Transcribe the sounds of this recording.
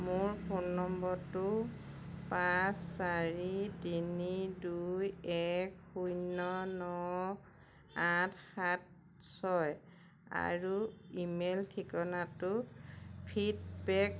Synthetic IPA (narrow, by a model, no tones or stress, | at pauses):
mʊɹpʰunːɔmbɔɹtʊ | pasːaɹitinidujɛkxujnɔnɔ | atʰhat̚ | sɔj | a̰ɹuimeltʰikɔnatʊ | pʰidbɛk